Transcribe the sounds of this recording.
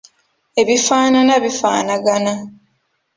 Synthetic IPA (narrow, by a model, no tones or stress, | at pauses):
e̞βifaːnanaβifa̰ːnaɡana